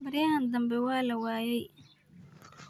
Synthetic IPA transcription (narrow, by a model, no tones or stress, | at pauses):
bɪɾɪjɐɦɐnd̪ɐmbɛwaːlɐwaːjɛj